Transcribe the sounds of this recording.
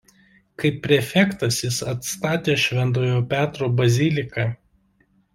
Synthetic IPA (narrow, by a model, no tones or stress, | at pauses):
kɐɪpʲːɾʲɛfʲɛkt̪ɐsjɪsɐt̪st̪ɑːt̪ʲeːʃʲʋʲɛnt̪oːjoːpʲæːt̪ɾoːbɐzʲɪlʲɪkɑ